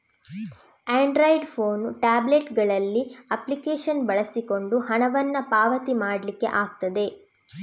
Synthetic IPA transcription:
aːɳɖɾojɖpʰoːnʈaːbleʈɡɐɭɐlːiɐplikeːʃɐnbɐɭɐsiko̞ɳɖuhɐnɐʋɐnːɐpaːʋɐt̪imaːɽɐlikːe̞̰ʔaːɡ̚t̪ɐd̪e̞

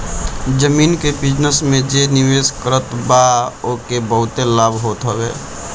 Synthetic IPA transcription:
d͡ʒəmiːnkebɪd͡ʒnəsmẽd͡ʒenɪweːskəɾət̪baokebəɦʊt̪elaːbʱɦoːt̪ɦoɡɛː

